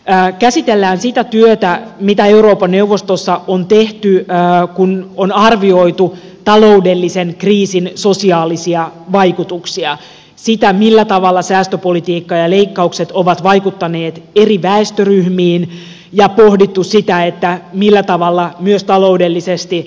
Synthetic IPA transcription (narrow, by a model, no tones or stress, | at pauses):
kæsit̪elːæːnsit̪æt̪yøt̪æmit̪æeuɾo̞ːpɑnnːe̞uʋːost̪osːɑont̪eht̪yːkunonɑrʋio̞it̪u | t̪ɑlo̞udelːisenkriːsinso̞siɑːlisiɑʋɑikut̪uksiɑ | sit̪æmilːæt̪ɑʋɑlːɑsæːst̪øpolit̪iːkːɑjɑleikːɑukset̪oʋɑt̪ʋɑjkut̪ːɑneːt̪eriʋæest̪øryhmiːn | jɑpohdit̪ːussit̪æet̪ːæmilːæt̪ɑʋɑlːɑmyøst̪ɑlo̞udelːisest̪i